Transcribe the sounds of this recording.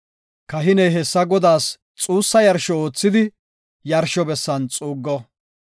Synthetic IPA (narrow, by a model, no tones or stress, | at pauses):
kɐɦɪnɛjɦɛsːɐɡɔd̪aːs | t͡sʼuːsːɐjɐɾʃɔoːt͡sːɪd̪ɪ | jɐɾʃɔbɛsːɐnt͡sʼuːɡːɔ